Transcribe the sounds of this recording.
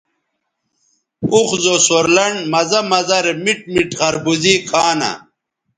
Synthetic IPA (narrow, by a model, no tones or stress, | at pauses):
uxzosoɾlɐɳmɐzɐmɐzɐɾemiʈ̚miʈχɐɾbuzikʰaːnɐ̰